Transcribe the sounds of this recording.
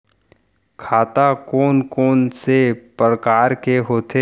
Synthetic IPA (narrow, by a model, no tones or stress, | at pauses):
kʰaːt̪akɔːnkɔːnsepɾəkaːɾkeɦoːt̪ʰe